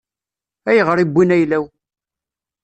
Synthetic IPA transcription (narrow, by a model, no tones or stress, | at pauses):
æjəʁəɾibʷːinæjlæw